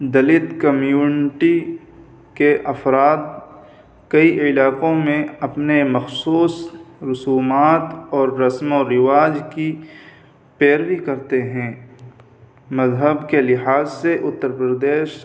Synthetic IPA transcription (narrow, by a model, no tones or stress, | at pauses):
d̪ɐlɪt̪kəmjuːnɪʈi | keʔɐfɾaːt̪̚ | kɐiʔɪlaːqõmẽɐpnemɐxsuːsɾʊsuːmaːt̪ɔːɾːɐsmoɾɪʋaːd͡ʒki | peːɾwikɐɾt̪eɦɛ̃ː | mɐzɦəbkelɪɦaːzseʔʊt̪ːəɾpɾəd̪eːʃ